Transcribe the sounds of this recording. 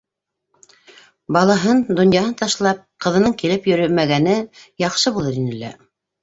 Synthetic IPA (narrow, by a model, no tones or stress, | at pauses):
bɑlˠɑɦɤnd̪ŏnjɑhɤnt̪ɑʃlˠɑp̚qɤ̆ðɤ̆nɤɴkilɘpjɵ̆ɾɘmæɡænɘjɑqʃɤbulˠɤɾinɘ̆lːæ̰